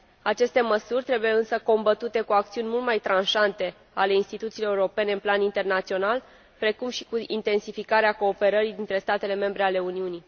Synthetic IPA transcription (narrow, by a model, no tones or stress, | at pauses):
at͡ʃe̞st̪e̞məsurʲt̪ɾe̞bujeɨnsəko̞mbət̪ut̪e̞kuak̚t̪siunʲmult̪majt̪ɾanʃant̪e̞ | ale̞inst̪it̪ut̪siːleuɾo̞pe̞neɨnplanint̪e̞rnat̪sio̞nal | pɾe̞kumʃikuint̪e̞nsifikaɾeako̞ːpe̞ɾəɾid̪int̪ɾe̞st̪at̪e̞le̞me̞mbɾe̞ale̞uniuni